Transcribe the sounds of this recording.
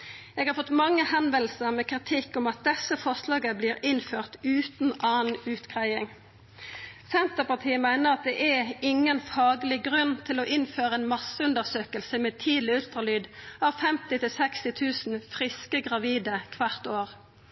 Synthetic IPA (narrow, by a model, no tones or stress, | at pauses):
ɛːɡhɑɾfɔt̪mɑŋːəhɛnʋɛlsəʁmɛːkʁɪt̪ʰɪkːʊmɑt̪̚d̪ɛsəfɔʁslɑːɡəbliːɾɪnføːʁt̪ʉːt̪n̩ɑːnʉːt̪kʰʁæɪɪŋ | sɛnt̪əʁpɑt̪ʰiːəmæɪnəʁɑt̪̚d̪ɛʔɛɪŋːənfɑːɡəlɪɡʁʉnt̪ʰɪlɔʔɪnføːʁəɛːnmɑsəʉnd̪əʁsøːkəlsəmeːt̪ʰiːd̪lɪʉlt̪ʁɑlyːd̪ɑʋfɛmt̪ɪt̪ʰɪlsɛkst̪ɪt̪ʰʉːsn̩fʁɪskəɡʁɑʋiːd̪əkʰʋæʁt̪oːʁ